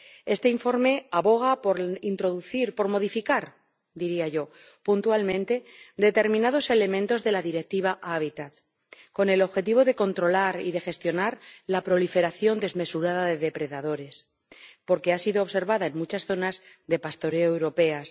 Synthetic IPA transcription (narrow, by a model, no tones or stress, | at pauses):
e̞st̪eiɱfo̞ɾme̞aβo̞ɣ̞apoɾint̪ɾo̞ðuθiɾpo̞ɾmo̞ð̞ifikaɾ | d̪iɾiaʝo̞ | punt̪ualmẽ̞nt̪e̞d̪e̞t̪e̞ɾmĩnaðo̞se̞le̞mẽnt̪o̞zðe̞laðiɾe̞k̚t̪iβ̞aʔaβit̪at̪ | ko̞ne̞lo̞βxe̞t̪̬iβ̞o̞ðe̞ko̞nt̪ɾo̞laɾḭðe̞xe̞st̪jo̞naɾlapɾo̞life̞ɾaθjo̞nd̪e̞zme̞suɾaðaðe̞ðe̞pɾe̞ðaðo̞ɾe̞s | po̞ɾke̞asiðoːβse̞ɾβaðae̞nmut͡ʃasθo̞naz | ðe̞past̪o̞ɾe̞oewɾo̞pe̞as